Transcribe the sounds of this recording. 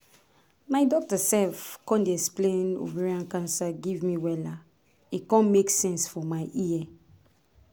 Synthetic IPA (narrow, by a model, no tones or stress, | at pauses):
maɪdɔk̚tasɛlfkɔ̃ndeɛksplẽno̰vɛɹiãnkãnsaɡivmiwɛla | ikɔ̃nmeksɛ̃nsfɔmaɪʔiɛ